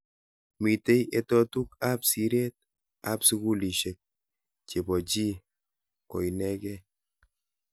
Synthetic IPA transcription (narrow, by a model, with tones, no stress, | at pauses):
mi˨te˦jetɔ˦tu˦ka˦psi˦ɾe˦t̚ | a̰˦psu˦ku˦li˨ʃe˨k̚ | t͡ʃe˨bɔ˨t͡ʃi˦ | kɔ˨inɛ˦kɛ˦